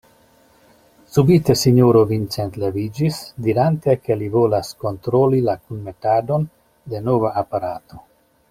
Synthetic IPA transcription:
subit̪e̞siɲoɾovint͡sent̪levid͡ʒisd̪iɾant̪e̞ke̞livo̞lasko̞nt̪ɾolilakunme̞tad̪o̞n | d̪e̞novaːpaɾat̪o̞

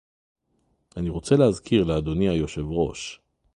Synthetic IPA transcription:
aniʁo̞t͡selehazkʰiʁlead̪o̞niajo̞ʃe̞vʁo̞̰ʃ

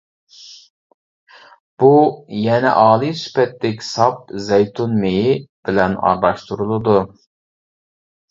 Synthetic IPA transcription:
b̥ujɛnɛ̰ʔɑːlˠisy̥pɛt̪ːɛkʲsɑp̚zɛjt̪ʰunmejib̥ɪlɛnɑ̰ɾlɑʃt̪ʰuɾulˠɨd̪u

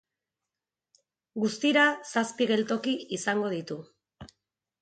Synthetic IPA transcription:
ɡust̪iɾasaspiɣe̞lt̪o̞kiisaŋɡo̞ð̞it̪u

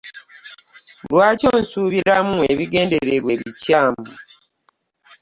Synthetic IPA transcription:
lwaːco̞ːnsuːβiɾamueβiɡe̞ːnde̞ɾeɾwe̞βicaːmbu

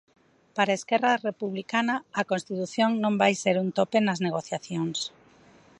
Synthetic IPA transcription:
paɾaeskɛrɐrepuβlikanɐːkonst̪it̪uθjoŋnõmbajseɾunt̪openɐzneɣ̞oθjaθjoŋs

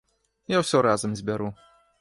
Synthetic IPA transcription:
jawsʲɔɾazɐmzʲbʲaɾu

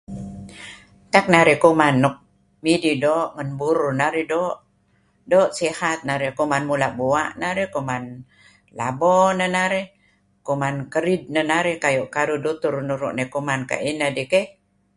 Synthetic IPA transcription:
t̪ak̚naɾikumanːɔk̚ | mididoʔŋənbuɾunaɾidoʔ | doʔsihat̪̚naɾikumanmulaʔbua̰ʔnaɾikuman | la̰bɔnənaɾi | kumankəɾid̪̚nənaɾikajuʔkaɾudut̪urnuɾṵʔnekumanka̰ʔinədike

